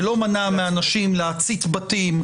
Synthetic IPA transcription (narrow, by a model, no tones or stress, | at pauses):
lo̞manameanaʃimleat͡sit̪batim